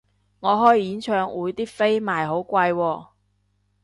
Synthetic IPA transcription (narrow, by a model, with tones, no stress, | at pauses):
ŋɔː˨˧ɦɔː˥jːiː˨˥nt͡ʃʰœː˨˧ŋwuː˨˧jt̪iː˥fe˥jmaː˨jɦo˨˥wkʷɐ˧jwɔː˧